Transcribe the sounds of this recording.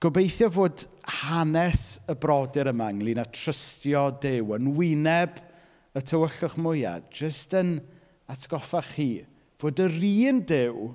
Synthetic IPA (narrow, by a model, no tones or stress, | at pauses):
ɡ̥ɔbejθjɔvoːdhanɛsəbrɔdɪɾəmaŋlˠinatʰr̥əstjɔdɪwənwɪnɛb | ətʰəwəɬʊχmʊja̰dd͡ʒəstən | atʰɡ̥ɔfaχiː | v̥oːdəriːndɪw